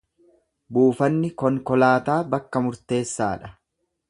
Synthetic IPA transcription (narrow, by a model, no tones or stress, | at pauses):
buːfɐnːɪkɔŋkɔlaːt̪aːbɐkːɐmʊɾt̪e̞ːsːaːᶑɐ̥